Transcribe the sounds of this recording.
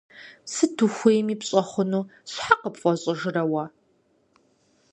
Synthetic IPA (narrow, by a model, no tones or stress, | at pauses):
sɨtʰuxʷejmiːpɕʼɐχʷʊnuːɕħaqəpfʷʼɔɕʼɪʒɨɾɐwɐ